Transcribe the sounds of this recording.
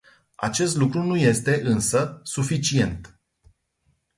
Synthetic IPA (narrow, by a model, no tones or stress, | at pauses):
a̰t͡ʃe̞st̪lukɾunuje̞st̪e̞ʔɨnsəsufit͡ʃie̞nt̪